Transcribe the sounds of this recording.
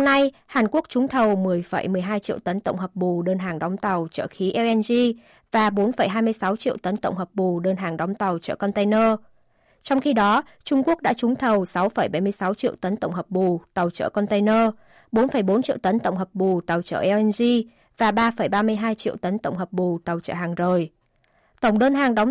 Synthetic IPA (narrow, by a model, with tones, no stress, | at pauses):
na˧jhaː˨˩nku˦˥ək̚t͡ɕʊ˨˦ŋ͡mt̪ʰə˨˩wmɨ˨˩əjfə̰˧˩jmɨ˨˩əjɦaː˧jt͡ɕḭ˧˨əwt̪ə˨˦nt̪ə̰˧˨wŋ͡mɦəː˨˩p̚ɓu˨˩ɗəː˧nɦaː˨˩ŋɗɔ˨˦wŋ͡mt̪a˨˩wt͡ɕə̰ː˧˩xi˨˦ʔɛ˧ʔɛ˧nzi˧ | vaː˨˩ɓo˨˦nfə˧˩jɦaː˧jmɨ˧əjsa˨˦wt͡ɕḭ˧˨əwt̪ə˨˦nt̪ə̰˧˨wŋ͡mɦə˨˩p̚ɓu˨˩ɗəː˧nɦaː˨˩ŋɗɔ˨˦wŋ͡mt̪a˨˩wt͡ɕə̰ː˧˩kɔ˧nt̪e˧nəː˧ | t͡ɕɔ˧wŋ͡mxi˧ɗɔ˨˦ | t͡ɕʊ˧ŋ͡mku˦˥ək̚ɗa̰ː˧˥t͡ɕʊ˨˦ŋ͡mt̪ʰə˨˩wsa˨˦wfə˧˩jɓa˧˩jmɨ˧əjsa˨˦wt͡ɕḭ˧˨əwt̪ə˨˦nt̪ə̰˧˩wŋ͡mɦəː˨˩p̚ɓu˨˩t̪a˨˩wt͡ɕə̰ː˧˩kɔ˧nt̪e˧jnəː˧ | ɓo˨˦nfə˧˩jɓo˨˦nt͡ɕḭ˧˨wt̪ə˨˦nt̪ə˧˨wŋ͡mɦəː˨˩p̚ɓu˨˩t̪a˨˩wt͡ɕə̰ː˧˩ʔɛ˧ɛ˧nzi˧ | vaː˨˩ɓaː˧fə˧˩jɓaː˧mɨ˧əjɦaː˧jt͡ɕḭ˧əwt̪ə˨˦nt̪ə̰˧˨wŋ͡mɦəː˨˩p̚ɓu˨˩t̪a˨˩wt͡ɕə̰ː˧˩haː˨˩ŋzəː˨˩j | t̪ə˧˩wŋ͡mɗəː˧nɦaː˨˩ŋɗɔ˨˦wŋ͡m